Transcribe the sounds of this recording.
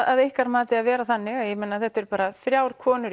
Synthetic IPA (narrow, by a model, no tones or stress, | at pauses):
aðejhkaɾmaːt̪ɪaðvɛːɾaθanːɪɣajɛmɛnːaθɛht̪ːɛɾpaːɾaθɾjaːwɾ̥kʰɔːnʏɾ